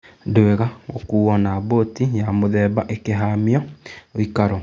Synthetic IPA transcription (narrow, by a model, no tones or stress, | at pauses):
doeɣaɣo̰kuwɔnabotijamoðɛːbaʔekeɦamiɔoikaɾɔ